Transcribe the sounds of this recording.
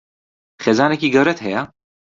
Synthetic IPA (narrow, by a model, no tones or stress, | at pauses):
χeːzaːnɛkiːɡɛwɾɛt̪ɦɛja